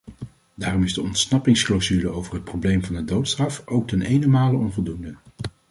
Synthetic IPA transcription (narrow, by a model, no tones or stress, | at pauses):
daːrɔmɪzdəɔntsnɑpɪŋsklozyləowvərɦət̚prowblejmvɑndədowtstrɑfowk̚tɛnejnəmaːləɔnvɔlˠdundə